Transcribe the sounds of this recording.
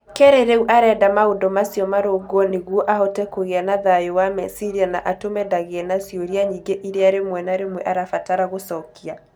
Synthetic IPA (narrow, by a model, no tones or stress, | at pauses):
keɾeɾeuʔaɾɛːdamaodɔmasiɔmaɾoɡɔneɣwɔʔaɦɔtɛkoɣeanaðajowamɛsiɾianaʔatomɛdaɣeɛnasjoɾiaɲiŋɡeʔiɾeaɾemwɛnaɾemwɛʔaɾafataɾaɣosɔkia